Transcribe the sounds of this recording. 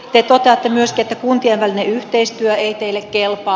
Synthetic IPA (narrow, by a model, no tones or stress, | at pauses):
t̪et̪ot̪eɑt̪ːemyøskiet̪ːækunt̪ieʋʋælineyht̪eist̪yøeit̪eilːekkelpɑ